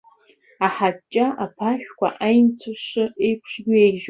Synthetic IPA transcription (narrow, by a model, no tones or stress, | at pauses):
aħat͡ʃʼːaʔapʰaʃᶣkʷʰa̰ʔajnt͡sʷʰaʂɨejpʰʂɡʲʊeʒ